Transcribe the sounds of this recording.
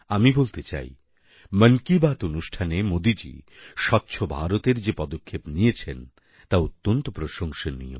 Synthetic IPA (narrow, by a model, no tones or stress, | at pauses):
amibolt̪et͡ɕa̰j | məŋkibat̪onuʃʈʰanemod̪id͡ʑḭʃɔt̪ːɕʰobʱaɾot̪eɾd͡ʑepɔd̪okʰːepnijet͡ɕʰen | t̪aut̪ːont̪opɾoʃoŋʃenḭjo̰m